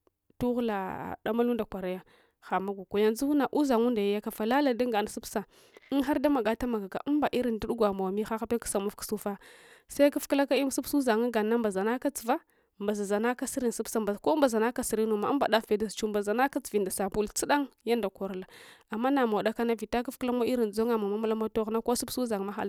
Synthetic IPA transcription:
tu˦ɣla˨da˦ma˦lu˦nda˨kʷa˨ɾa˦ja˦ | xa˨ma˦ɡʷa˨kʷa˨ja˦nzu˦u˦na˨ʔu˦za˨ŋu˦nda˨ja˦ja˦ka˨fa˨la˦la˨da˦ŋɡa˨n˨su˦psa˨˦ | nxa˦ɾda˦ma˨ɡa˦ta˦ma˨ɡa˨ka̰˨ʔu˦mba˨ʔi˦ɾi˨ndu˦ɗu˦ɡʷa˨ma˨wa˨mi˦xa˦xa˦pe˦kḁ˦sa˨mu˦fku̥˨su˦fa˦sa˦ka˦fkla˦ka˦i˦m˦su˦psu˦za˨ŋa˦ɡa˨nːa˦mba˨za˨na˦ka˦t͡si˨va˦ | mba˨za˨za˨na˦ka˦si˦ɾi˨n˨su˦psa˨ba˨ko˦mba˨za˨na˦ka˦si˨ɾi˦nu˨ma˨˦mba̰˨da˦e˨da˨st͡ʃu˦mba˨za˨na˦ka˦t͡si̥˨vi˨nda˨sa˨bu˦lt͡si˦ɗa˦ŋja˦nda˨ko˨ɾla˨a˨mːa˦na˨ma˨wda˦ka˦na˦vi˨ta˦k̬a˦fkla˦mʷa˦i˦ɾi˨nd͡zo˦ŋa˨ma˨ma˦ma˦la˦ma˦to˦ɣna˦ko˦su˦bsu˦za˨ŋ˨ma˦xa̰˦˨l

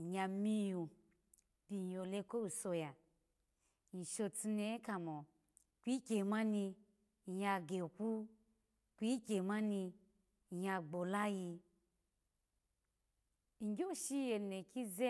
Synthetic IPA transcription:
ɲa˧mi˦ju˨ | bi˨jo˨le˧ko˦u˨so˧ja˨ | ni˨ʃo˧ti˧ne˧˦ka˨mo˨ | kʷi˦kʲe˨ma˦ni˧˨ | ja˧ɡe˨kʷu˦ | kʷi˦kʲe˨ma˦ni˧˨ | ja˧ɡ͡bo˨la˦ji˧ | ŋ̩˨ɡʲo˦˨ʃi˦je˨ne˨ki˦ze˦

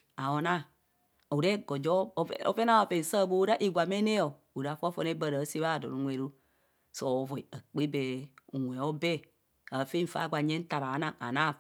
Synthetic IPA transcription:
a˨wo˨na˦ | u˨ɾe˦ɡo˨d͡ʒo˦o̰˦pe˦na˦wa˨pe˨n˨sa˦˨bo˦u˦ɾa˦ʔi˨ɡʷa˨me˦ne˦o˨ | u˨ɾa˨˦fo˦fo˦ne˦bə˨ɾa˨˦si˦βa˦˨do̰˨nu˨˦ŋʷe˨ɾu˦ | so˨vo˨i˨ə˨k͡pi˦be˨u˨ŋʷ˨e˨o˦be˦˨ | a˨˦fi˦ɱ̩˦˨fa̰˨˦ɡʷa˨ɲe˦n̩˦ta˨βa˨˦na˨ŋa̰˨na˦˨

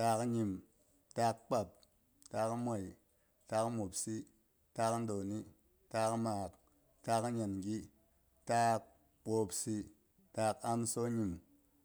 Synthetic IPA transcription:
taː˦kɲi˨m | ta˦kk͡pa˨p̚ | ta˦kmo˨i˨ | ta˦kmo˨psi˦ | taː˦kn˦do˨ni˦ | taː˦kmaː˨k | taː˦kɲa˨nɡi˦ | ta˦k̚ | ɓoː˨psi˦ | taː˦ka˦mso˦ɲi˨m

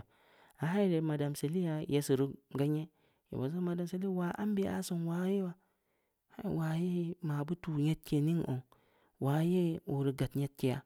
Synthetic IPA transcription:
a˨ɦa˦i˦ɾe˨ma˨da˨mse˨li˦ja˨je˦si˨ɾu˦ɡa˦ɲe˦ | jḭ˨bo̰˨za˦ma˨da˨mse˨˦li˦wa˨ʔa̰˦m˦bi˦a̰˦so˨nwa˨˦ji˦wa˦ | ha˦i˨wa˨˦je˦ma˨bu˦tu˨ɲe˦t̚ke˨ni˦ŋo̰˨ŋ | wa˨˦je˦u˨ɾi˨ɡa˨tɲe˦t̚ki˦ja˦

